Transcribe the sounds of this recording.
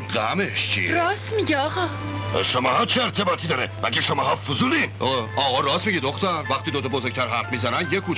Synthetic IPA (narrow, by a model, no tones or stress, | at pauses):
ɡæmeʃt͡ʃʰḭɾɒːsmiɟɛɒɣɒ̰ | ʃomɒːhɒːt͡ʃʰeeɾt̪ʰebɒːt̪ʰid̪ɒːɾemæɡeʃomɒːhɒfuzuːliːnʔoɒːɣɒɾɒːsmiɟid̪oxt̪æɾvæχt̪iːd̪ot̪ʰɒbozoɾc̚t̪ʰæɾɦæɾfmiːzænænd̪jekʰuːt͡ʃ